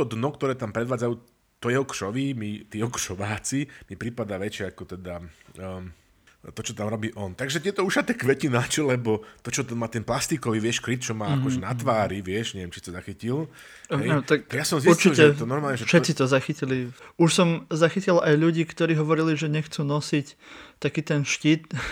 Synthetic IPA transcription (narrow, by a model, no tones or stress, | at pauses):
t̪ɔd̪nɔkt̪ɔɾɛːt̪ampɾɛd̪ʋaːd͡zajuː | t̪ɔjɛɦɔkʃɔʋimit̪iːɛɦɔkʃɔʋaːt͡simipɾipad̪aːʋɛt͡ʃɪɛakɔt̪ɛd̪a | t̪ɔt͡ʃɔt̪amɾɔbiːʔɔnt̪aɡʒɛt̪ɛt̪ɔuʃat̪akʋɛcinat͡ʃɔlɛbɔt̪ɔt͡ʃɔt̪anmaːt̪ɛnplast̪ikɔʋiʋɪɛʃkɾit̪̚t͡ʃɔmaːakɔʒɛnat̪ʋaːɾiʋɪɛʃɲɛʋjɛmt͡ʃisit̪ɔzaxicil | ɛjt̪akaɡjasɔmziuɾt͡ʃilˠʒɛt̪ɔnɔɾmaːlɲɛʒɛʃɛtt͡sit̪ɔzaxiciliuʃsɔmzaxicilajʎuɟiːkt̪ɔɾiːɦɔʋɔɾiliʒɛɲɛxt͡suːnɔsict̪akiːt̪ɛnʃciːt̪